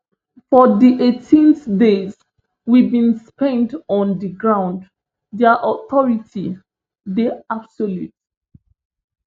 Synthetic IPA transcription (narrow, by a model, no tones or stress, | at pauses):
fɔdiʔetʰĩnθdez | wibĩnspɛ̃ntɔ̃ndəɡɹãʊ̃nd | diaʔɔtɔɹitʰi | deab̥soljṵt